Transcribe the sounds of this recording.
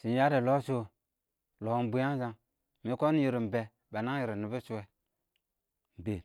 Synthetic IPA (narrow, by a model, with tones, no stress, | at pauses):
si˨ja˦ɾe˨lo˦so˦ | lo˨˦m˦bu˦ja˦n˦za˨ŋ | mi˨˦ko˦n˦ji˨ɾi˨m̩˨bɛ˨ | ba˨na˦ji˨ɾi˨ni˨bi˦su˦e˨ | m̩˨be˨